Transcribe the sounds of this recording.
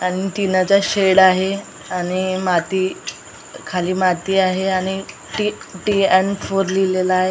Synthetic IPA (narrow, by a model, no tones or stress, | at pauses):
aɽ̃it̪inat͡ɕaɕeɽaɦe | aɽ̃imat̪iː | kʰaliːmat̪iːaɦeaɽ̃i | ʈiʈiɛnfʰoɾlilelaːɦe